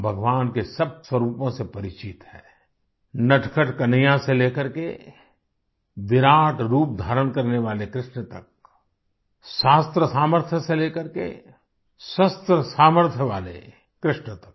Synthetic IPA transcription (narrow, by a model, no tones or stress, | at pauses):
bʱəɡʋaːnkesəb̚swəɾuːpõsepɐɾɪt͡ʃit̪hɛ̰ː | nɐʈʰkʰəʈkɐnəjãseleːkəɾkḛ | ʋɪɾaːʈɾuːp̚d̪ʱaːɾənkɐɾneʋaːlekɾɪʃɳət̪ɐ̰k̚ | ʃaːst̪ɾəsaːməɾt̪ʰjəseleːkəɾkḛ | sɐst̪ɾəsaːməɾt̪ʰjəʋaːlḛ | kɾɪʃɳət̪ɐ̥k